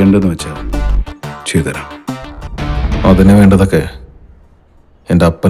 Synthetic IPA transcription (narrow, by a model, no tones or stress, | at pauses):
eːɳɖenːɨʋet͡ɕːaː | t͡ɕiːt̪ɐɾa | ɐðineʋe̞ːɳɖɐðokːe̞ | endeɐpːɐ